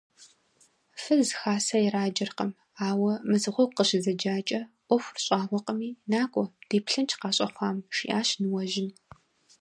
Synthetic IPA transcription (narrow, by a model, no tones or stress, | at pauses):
fɨzzxaːsɐjɛraːd͡ʒɐrqɐm | aːwɐmɨzɨʁʷɔwqəɕɪzɐd͡ʒaːt͡ʃʼɐʔʷɔxʷrɕʼaːʁʷɔqʼəmiːnaːkʷʼɔd̥eːpɬɨnt͡ʃʰqɑːɕʼɐχʷɑːmʃḭːʔaːɕnɨwɐʒɪn